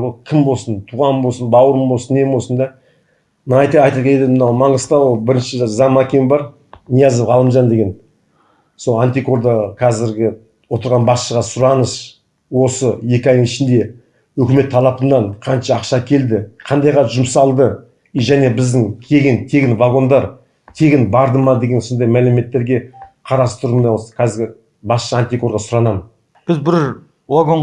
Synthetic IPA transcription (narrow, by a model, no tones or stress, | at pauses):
wolˠkʲʰɪmbo̞lˠsənt̪ʰuʁɑnbolˠsənbɑwəɾəmbo̞lˠsənːe̞mbosənd̪ɑ | nɑjt̪ɑɑjt̪ɑkʲeled̪mənɑwmɑɴəz̥t̪ɑwo̞lˠbɪɾɪnʃɪzɑmːɑkʲembɑɾ | nijɑzəpʁɑlˠəmʒɑnd̪e̞ɡʲe̞n | so̞lˠant̪iko̞ɾd̪əqʰæzɪɾɡʲɪ | wo̞t̪əɾʁɑnbɑsʃəʁɑsʊɾɑnəʃ | wo̞səje̞kʲɪɑjd̪əŋɪʃɪnd̪e̞ | wɵkʲɪme̞t̪ʰːɑlˠɑpənːɑɴqʰɑnʃɑːqʃɑkʲʰe̞ld̪ɪqʰɑnd̪ɑjʁɑʒʊmsɑlˠd̪ə | ʒæne̞bɪzd̪ɪŋkʲʰe̞ɡʲɪnk̪ʲʰe̞ɡʲɪnvaɡo̞nd̪ɑɾ | t̪ʲʰe̞ɡʲɪnbɑɾd̪əmɑd̪e̞ɡʲe̞nso̞nd̪ɑjmælɪme̞t̪ːe̞ɾɡʲe̞qʰɑɾɑst̪ʊɾmeosə̥kʰæzɪɾɡʲɪ | bɑsʃəant̪ʲiko̞ɾʁɑsʊɾɑnɑmən | b̥ɪzbɪɾ | vaɡo̞ɴ